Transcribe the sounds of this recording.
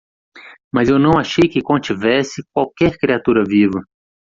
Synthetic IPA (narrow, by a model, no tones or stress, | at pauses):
mɐzewnɐ̃w̃aʃejkɪkõt͡ʃivɛsɪk̚wawkɛɾkɾiat̪uɾɐvivɐ